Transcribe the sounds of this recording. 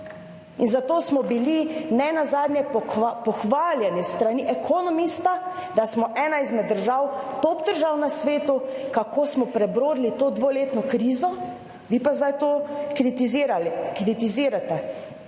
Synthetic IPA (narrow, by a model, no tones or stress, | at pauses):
inzat̪oːsmɔbilinɛnazaːd̪nʲjɛpɔxʋaːljɛnist̪ɾaniʔɛkʰɔnɔmist̪ad̪asmɔʔɛːnaizmɛd̪ːəɾʒawt̪oːpd̪əɾʒaːwnasʋeːt̪ukakʰoːsmɔpɾɛbɾoːd̪lit̪oːd̪ʋoːleːt̪nɔkɾiːzɔ | ʋiːpazd̪ajt̪oːkɾit̪iziɾalkɾit̪iziːɾat̪ɛ